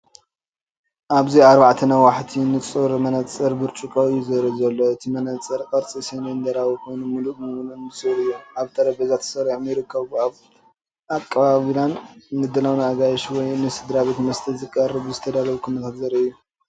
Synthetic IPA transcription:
ʔaβziaɾbaʕt̪ʰɨnawaħt̪ʰinɨt͡sʼɨɾmɐnɐt͡sʼɐɾbɨɾt͡ʃʼukʼoɨjuzɐɾɐzɐlːo̞ɨt̪ʰimɐnɐt͡sʼːɐɾkʼɐɾt͡sʼisenend̪ɐɾawkʰojnumɨluʔmɨunɨnɨsɨɾɨjːuaβt̪ʰɐɾɐbɐzat̪ʰːɨ̥sɐɾjamjɪɾɨkʰːɐβaβ | akʼːɐβaβlanːɨd̪ɐlawnaɡajʃwɔjnɨsɨd̪ɾaβet̪mɐst̪ʰɐzɨkʼɐrːɨβzɨt̪ʰɐd̪alɐβukʰɨnɐt̪ʰat̪zɐɾɐɨjːu

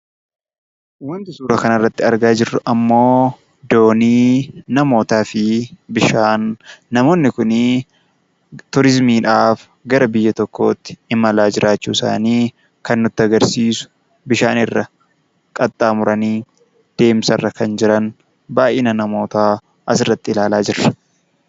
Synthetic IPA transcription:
wɐnt̪ɪsuːɾɐkɐnɐrːɐt̪ːɪɐɾɡaːd͡ʒɪrːʊʔɐmːo̞ː | d̪o̞ːniːnɐmo̞ːt̪aːfɪbɪʃaːnːɐmo̞ːnːɪkʊn | t̪ʊɾɪzmiːᶑaːf | ɡɐɾɐbɪjːɐt̪ɔkːo̞̰ːt̪ːɪ̥ɪmɐlaːd͡ʒɪɾʔaːt͡ʃːuːɪsa̰ːniː | kɐnːʊt̪ːɪɐɡɐɾsiːsʊ̥ | bɪʃaːnɪrːɐ | kʼɐt̪ʼːaːmʊɾɐniː | d̪̥e̞ːmsɐrːɐkɐnd͡ʒɪɾɐn | baːʔɪnɐnɐmo̞ːt̪aː | ʔɐsɪrːɐt̪ːɪɪlaːlaːd͡ʒɪrːɐ̥

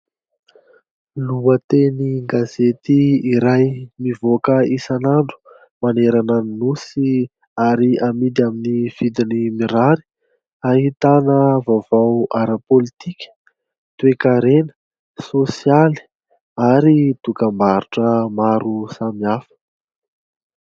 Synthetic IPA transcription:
luət̪eniŋɡazet̪iiɾajmivokəisanaɳɖ͡ʐu̥ | maneɾananinusi | aɾiamid̪iaminiv̥id̪inimiɾaɾi̥ | aɦit̪anəvavawaɾəpolit̪ikʲə̥ | t̪uekaɾenə̥ | sosiali̥ | aɾid̪ukambaɾuʈ͡ʂəmaɾusamiafə̥

